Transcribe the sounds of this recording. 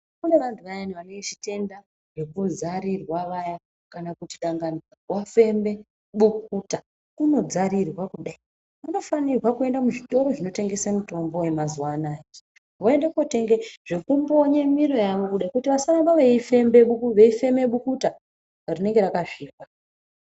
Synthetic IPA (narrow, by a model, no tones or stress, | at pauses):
kune̞ʋantʰuʋajaniʋaneŋɡet͡ʃi̥te̞nda | ʐe̞kuzaɾirwaʋaja | kanakutiɗaŋɡaniawafe̞mbe̞ | ɓuk̚uta | kuno̞d͡zaɾirwakuɗai | ʋano̞fanirwakue̞ndamuʐito̞ɾo̞ʐino̞te̞ŋɡe̞samuto̞mbo̞we̞mazuwanaːke | ʋoe̞ndekuote̞ŋɡeʐ̥e̞kumbo̞ɲemiɾo̞jaʋo̞kuɗaikutiʋasarambaʋeifembeɓuʋe̞ife̞me̞ɓukuta | rine̞ŋɡeɾakaʐiːkwa